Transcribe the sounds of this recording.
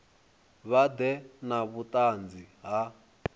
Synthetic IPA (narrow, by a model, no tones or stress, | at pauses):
βad̪ɛnaβut̪ʼand͡ziɦa